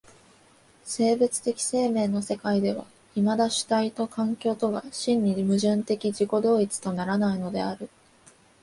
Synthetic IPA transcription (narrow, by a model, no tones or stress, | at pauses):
se̞ːbɯt͡sɨ̥t̪e̞kʲi̥se̞ːmẽ̞ːno̞se̞kaid̪e̞β̞a̰ | imad̪aɕɨ̥t̪ait̪o̞kãŋkʲo̞ːt̪o̞ɡaɕĩɲ̟ːimɯ̟ʑɨ̃nt̪e̞kʲiʑiko̞d̪o̞ːit͡sɨ̥t̪o̞naɾanaino̞d̪e̞aɾɯ̟